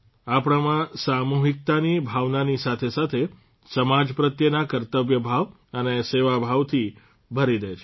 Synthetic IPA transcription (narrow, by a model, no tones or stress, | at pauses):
apɽ̃amãsamuɦik̚t̪anibʱaʋnanisat̪ʰesat̪ʰe | səmad͡ʒpɾət̪jənakəɾt̪əʋjəbʱaʋ | əneseʋabʱaʋt̪ʰi | bʱəɾid̪ət͡ʃʰe